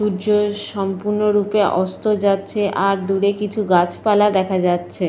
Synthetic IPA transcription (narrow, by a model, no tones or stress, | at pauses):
uɾd͡ʑoʃɔmpuɾnoɾupeʔɔst̪od͡ʑatːɕʰeʔaɾd̪uɽekit͡ɕʰuɡat͡ɕʰpalaɾd̪ɛkʰad͡ʑatːɕʰe